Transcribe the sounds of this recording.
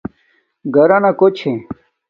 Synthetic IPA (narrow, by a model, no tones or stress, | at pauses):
ɡʱəɾanakot͡ɕʰẽ